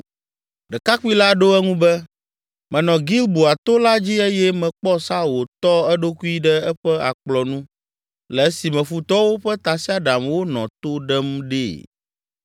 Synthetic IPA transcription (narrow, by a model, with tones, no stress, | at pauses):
ɖɛ˨ka˦k͡pu˦i˦la˦ɖo˦ɛ˦ŋũ˦bɛ˦ | mɛ̃˨nɔ̃˨ɡi˦lbu˨a˨t̪o˦la˦d͡ʑi˦e˦jɛ˦mɛ̃˨k͡pɔ˦sa˦wo˨t̪ɔ˦ɛ˦ɖo˦ku˦i˦ɖɛ˦ɛ˦ɸɛ˦a̰˨k͡plɔ˨nũ˦ | lɛ˨˦si˨mɛ̃˨fu˨t̪ɔ˦wo˦ɸɛ˦t̪a˨si˦a˦ɖa˨mwo˦nɔ̰̃˨t̪o˦ɖɛ˦mɖe˦˨